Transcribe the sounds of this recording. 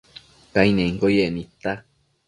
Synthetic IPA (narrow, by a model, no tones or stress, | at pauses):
kainẽĩŋkojeʔnĩt̪a